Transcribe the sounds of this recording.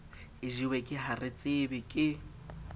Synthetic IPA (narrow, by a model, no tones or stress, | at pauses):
ɪʒiwekʼɪɦarɪt͡sʼɪbɪkʼɪ